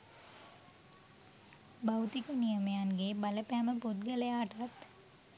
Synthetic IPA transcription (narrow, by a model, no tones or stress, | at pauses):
bawt̪ikənijəmejanɡebaləpæːməput̪̚ɡələjaːʈat̪